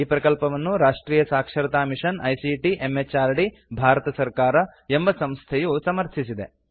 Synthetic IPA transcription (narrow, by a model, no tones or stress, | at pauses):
iːpɾɐkɐlpɐʋɐnːuɾaːʂʈɾiːjɐsaːkʂɐɾɐt̪aːmiʂɐnɐjsiʈiʔemːet͡ʃaːɾɖi | bʱaːɾɐt̪ɐsɐɾkaːɾɐe̞mbɐsɐmst̪ʰejusɐmɐɾt̪ʰisid̪e